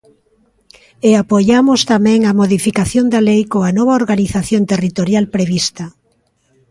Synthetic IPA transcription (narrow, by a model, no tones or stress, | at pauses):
eapojamʊst̪amɛ̃ŋɐmoðifikaθjond̪ɐlejkoanɔβaoɾɣaniθaθjont̪erit̪oɾjalpɾeβist̪ɐ